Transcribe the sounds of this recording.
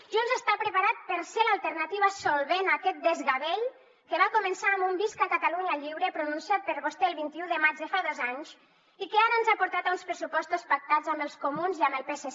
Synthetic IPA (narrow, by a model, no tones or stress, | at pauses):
ʒunzəst̪apɾəpaɾat̪̚pəɾselalˠt̪əɾnat̪iβasolˠβenakɛt̪̚d̪ezɣaβeʎ | keβakumənsaːmbumbiskakat̪aluɲaʎiβɾəpɾununsjat̪̚pəɾɣost̪eːlˠβint̪iuðəmad͡ʒðəfaðozaɲz | ikeaɾəənzapuɾt̪at̪unspɾəsupɔst̪ospak̚t̪ad͡zambəlˠskumunziambəlˠpese